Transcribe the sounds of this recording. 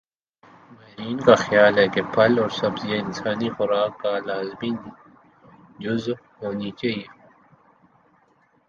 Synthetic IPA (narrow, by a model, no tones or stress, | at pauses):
mɐɦɾiːnkaxjaːlɦɛkepʰɐlɔːɾsɐbzieɪnsaːnixʊɾaːkːalaːzmĩːn | d͡ʒʊz | hoːnit͡ʃaːɦie